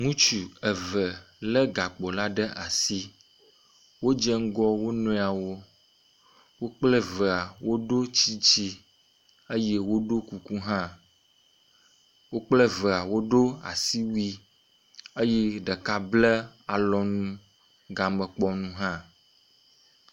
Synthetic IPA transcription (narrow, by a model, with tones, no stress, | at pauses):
ŋũ˦t͡ʃu˨ə˨və˨ | lə˦ɡa˨k͡po˨la˦ɖə˦ʔa˨si˦ | wo˦d͡ʒɛ˦ŋ̩˦ɡɔ˦wo˦nõ˦˨a˨wo˦ | wo˦k͡plə˦və˨a˨wo˦ɖo˦t͡ɕi˦d͡ʒi˦ | ə˦je˦wo˦ɖo˦ku˨ku˦ɦã˦ | wo˦k͡plə˦və˨a˨wo˦ɖo˦a̰˨si˦wi˦ | ə˦jɛ˦ɖə˨ka˦blə˦a˨lɔ˨nũ˦ | ɡa˨mə̃˨k͡pɔ˨nũ˦ɦã˦